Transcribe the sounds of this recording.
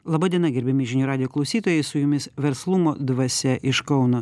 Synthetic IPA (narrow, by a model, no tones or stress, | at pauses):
lˠɐbɑd̪ʲiɛnɐɡʲɛɾʲbʲɛmʲɪʒʲɪnʲjuːɾɑːd̪ʲɪjoːklˠɐʊsʲiːt̪oːjɛɪsʊjʊmʲɪsʋʲɛɾslˠʊmoːd̪ʋɐsʲɛʔɪʃkɒʊnoː